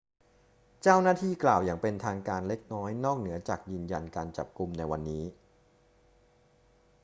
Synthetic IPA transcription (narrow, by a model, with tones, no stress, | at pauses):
t͡ɕaː˥˩wnaː˥˩t̪ʰiː˥˩klaː˨˩wjaː˨˩ŋpe˧nt̪ʰaː˧ŋkaː˧nle˦˥k̚nɔː˦˥jnɔː˥˩k̚nɯ˩˦ɐt͡ɕaː˨˩k̚jɯː˧nja˧nkaː˧nt͡ɕa˨˩p̚ku˧mna˧jwa˧nːiː˦˥